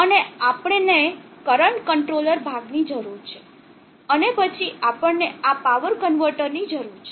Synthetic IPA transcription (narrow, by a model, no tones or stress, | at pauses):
əneapɽ̃enekəɾəɳʈkəɳʈɾoləɾbʱaɡnid͡ʒəɾuɾt͡ʃʰe | ənepət͡ʃʰiapəɳneapaʋəɾkənʋəɾʈəɾnid͡ʒəɾuɾt͡ʃʰe